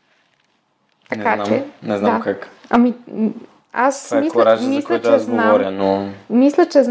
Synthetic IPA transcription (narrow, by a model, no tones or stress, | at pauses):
t̪ɐnkaat͡ʃɛnɛznd̪akakɐmi | asmmisʲɐɾmislʲɐt͡ʃɛznaɔɾnomislʲɐt͡ʃɛz